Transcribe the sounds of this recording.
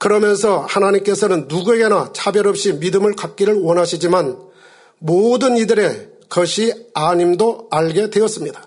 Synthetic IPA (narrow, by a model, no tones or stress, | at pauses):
kɯɾʌmjʌnsʰʌhanaɲimk͈e̞sʰʌnɯnːuɡue̞ɡe̞nat͡ɕʰabjʌɾʌp̚ɕ͈imidɯmɯɭkak̚k͈iɾɯɭwʌnɦaɕʰid͡ʑiman | modɯnidɯɾe̞ | kʌɕʰiaɲimdoaɭɡe̞dwe̞ʌs͈ɯmɲidḁ